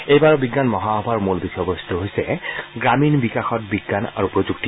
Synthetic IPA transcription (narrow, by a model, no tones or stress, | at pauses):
ejbaɹɔbiɡːanmɔɦaɦɔbʱaɹmulbixʰɔbɔstʰuɦojsɛɡɹaminbikaxɔt̚biɡːana̰ɹupɹozukti